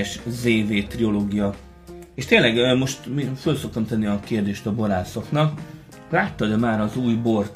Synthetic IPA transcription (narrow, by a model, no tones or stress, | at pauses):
ʃzeːveːt̪rio̞loːɡijɒ | eːʃt̪eːnlɛɡmo̞ʃt̪mifølso̞k̚t̪ɒmt̪ɛnːiɒkeːrd̪eːʃt̪ɒbo̞ɾaːso̞knɒk | laːt̪ːɒd̪ɛmaːɾɒzuːjbo̞rt̪